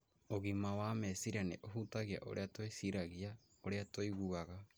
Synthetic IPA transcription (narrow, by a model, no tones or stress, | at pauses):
oɣimawamɛsiɾaneʔoɦutaɣia̰ʔo̰ɾeatwesiɾaɣia | oɾeatoiɣuɣaɣa